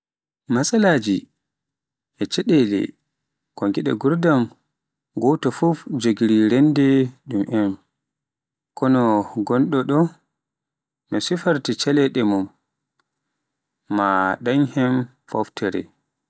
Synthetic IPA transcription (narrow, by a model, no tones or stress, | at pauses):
masalad͡ʒi | ʔɛt͡ʃɛɗɛlɛ̰ | kɔŋɡiɗɛɡuɾdam | ɡɔtɔfufd͡ʒoɡiɾiɾɛndɛɗumʔɛn | kɔnɔɡɔnɗɔɗɔ | nɔsifaɾtit͡ʃɛlɛɗɛmum | a̰ɗaɲhɛm | fɔ̰ftʰɛɾɛ̰